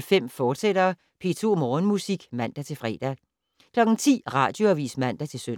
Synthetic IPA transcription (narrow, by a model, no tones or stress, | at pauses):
lfem̰fɒːd̥sed̥ɐ | pʰe̝̰t͡sʰo̝mɒːnmusiɡ̥mæn̰d̥æt͡sʰe̝lfʁɛ̰d̥æ | kʰlɒ̽ɡ̥n̩t͡sʰḭːʁɑ̈d̥jo̝æʋḭːsmæn̰d̥æt͡sʰe̝søn